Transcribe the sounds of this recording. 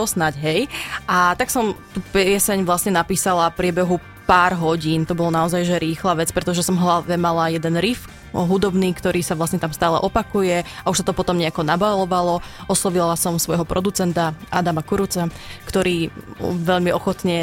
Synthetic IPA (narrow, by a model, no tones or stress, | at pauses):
ɔsnaɟɦɛjat̪aksɔmt̪uːpɛsɛɲʋlasɲɛnapiːsalafpɾɪɛbɛɦu | paːɾɦɔɟiːnt̪ɔbɔlɔnaɔzajʒɛɾiːxlaːʋɛt͡spɾɛt̪ɔʒɛsɔmɦlaʋɛmalajɛd̪ɛnɾif | ɦud̪ɔbniːkt̪ɔɾiːsaʋlasɲɛt̪amst̪aːlɛ̰ʔɔpakujɛauʃsat̪ɔpɔt̪ɔmɲɛakɔnabalɔʋalɔɔslɔʋilasɔmsʋɔjɦɔpɾʔɔd̪ut͡sɛnt̪aad̪amakuɾut͡sakt̪ɔɾiːʋɛʎmiɔxɔt̪ɲɛ